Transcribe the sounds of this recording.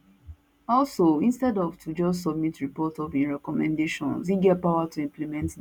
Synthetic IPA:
ɔlsoĩnstɛdɔvtʰud͡ʒɔstsɔb̚mitɹipɔtɔvĩnɹɛkɔmɛ̰̃ndeʃɔ̃nsiɡɛt̚paʊatʰuĩmplimɛ̃nt

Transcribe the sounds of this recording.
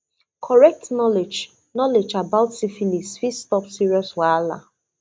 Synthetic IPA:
kʰɔɹɛk̚tnɔled͡ʒ | nɔled͡ʒabaʊtsifinisfistɔpsiɹiɔswala̰

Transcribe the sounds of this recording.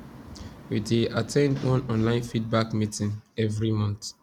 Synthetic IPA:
wideatʰɛ̃ndwɔ̃nɔ̃nlãɪ̃nfid̚bakmitĩnɛvɹimɔ̃nθ

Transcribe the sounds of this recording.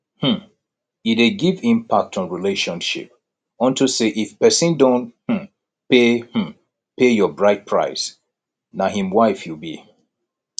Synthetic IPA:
h̩ | iteɡivĩmpʰak̚tʰɔ̃nɹileʃɔ̃nʃḭp | ɔ̃ntʰuseʔifpɛsĩndõnh̩ | peh̩ | pejɔbɹaɪt̚pʰɹa̰ɪs | naɦĩmwaɪfjubḭ

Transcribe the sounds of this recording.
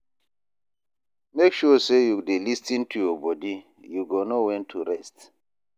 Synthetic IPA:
mekʃɔsejudelistĩntʰujɔbɔdi | juɡonowɛ̃ntʰuɾɛst

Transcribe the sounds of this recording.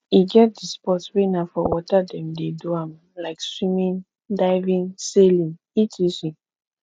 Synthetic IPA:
iɡɛt̚dispɔtswenafɔwɔtadɛ̃mdeduãm | laɪkswĩmĩn | daɪvĩnselĩŋ | itʰisĩ

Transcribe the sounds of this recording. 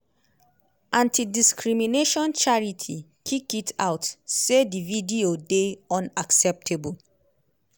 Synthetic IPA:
ʔãntidiskɹimineʃɔ̃nt͡ʃaɹitʰikʰikitʰa̰ʊtsedividiodeɔ̃naksɛp̚tʰebul

